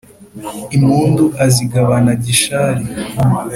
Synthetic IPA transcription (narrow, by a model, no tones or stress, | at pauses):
imuːnduʔaziɡaβanaɟiʃaɾi